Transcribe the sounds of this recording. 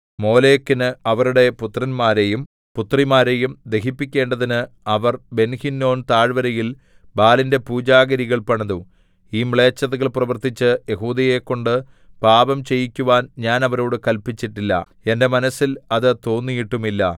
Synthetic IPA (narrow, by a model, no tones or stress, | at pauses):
mo̞ːle̞ːkːinɨɐʋɐɾuɽe̞put̪ːrɐnmaːɾe̞jum | put̪rimaːɾe̞jumd̪e̞ɦipːikʲːe̞ːɳɖɐðinɨɐʋɐrbe̞nhinːo̞ːnt̪aːɻʋɐɾɐjil | baːlinde̞puːd͡ʑaːɡɐɾiɣɐɭpɐɳɐðu | iːmɭe̞ːt͡ɕːɐðɐɣɐɭprɐʋɐrt̪it͡ɕːɨjeɦuːðɐje̞kːo̞ɳɖɨ | paːbɐmt͡ɕe̞jikʲːuʋaːnɲaːnɐʋɐɾo̞ːɽɨkɐlpit͡ɕːiʈːilːɐ̰ | e̞nde̞mɐnɐsːilɐðɨt̪o̞ːnːijiʈːumilːɐ̰